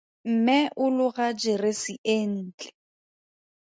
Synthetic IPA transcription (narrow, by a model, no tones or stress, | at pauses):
m̩mɛʔʊlʊɣad͡ʒɪrɪsɪʔen̩ːt͡ɬʼɛ